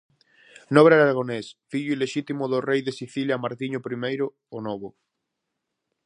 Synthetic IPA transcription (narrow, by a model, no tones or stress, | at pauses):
nɔβɾeaɾaɾaɣ̞onesfiʎuileʃit̪imoðorejðesiθiljamaɾt̪iɲopɾimejɾoːnoβ̞o